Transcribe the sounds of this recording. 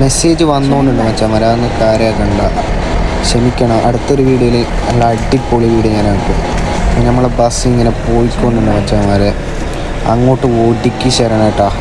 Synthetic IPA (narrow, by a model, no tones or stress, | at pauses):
me̞se̞ːd͡ʑɨʋɐnːoːɳɖuɳːɨmɐt͡ɕːaːmɐɾaːnːɨkaːɾjaːkɐɳɖa̰ː | ɕɐmikʲːɐɳɐmʔɐɽut̪ːo̞ɾuʋiːɽijile | lɐɖːipːoːɭiʋiːɽeɲaːnaːɭpːoː | nɐmːɐɭebɐsiŋːɐnepoːjikʲːoːɳːuɳɖːɨmɐt͡ɕːaːmɐɾe | ɐŋːo̞ːʈːɨoɖikʲːiɕeɾɐɳaːjiʈːaː